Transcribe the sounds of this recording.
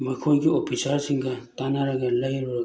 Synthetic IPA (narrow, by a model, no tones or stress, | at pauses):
makʰojɡiɔpʰisaɾsiŋɡat̪anaɾaɡalajɾɔɾ